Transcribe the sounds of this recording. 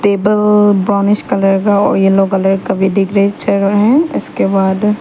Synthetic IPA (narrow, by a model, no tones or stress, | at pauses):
t̪eːbəlbɾɔːnɪʃkɐləɾkaɔ̰ːɾjeloːɡɐləɾkɐbʱiɖɪɡɾeit͡ʃʰəɾɦɛ̃ɪ̰skebaːd̪